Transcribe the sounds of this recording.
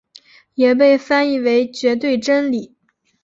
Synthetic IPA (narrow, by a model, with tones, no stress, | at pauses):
jɛ˨˩p̬e˥˩ɪfa˥ni˥˩we˧˥ɪt͡ɕɥɛ˧˥t̪̬we˥˩ɪʈ͡ʂə˥nli˨˩˦